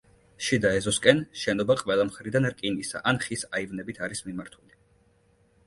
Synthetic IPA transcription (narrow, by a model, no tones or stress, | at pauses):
ʃid̪aɛzɔskʼɛnʃɛnɔbaqʼwɛlˠamχɾid̪anɾkʼinisa̰ʔanχisaivnɛbit̪ʰaɾismimaɾt̪ʰuli